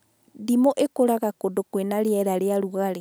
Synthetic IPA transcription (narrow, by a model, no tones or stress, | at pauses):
ndimoʔekoɾaɣakodokwenaɾjɛɾaɾeaɾuɣaɾe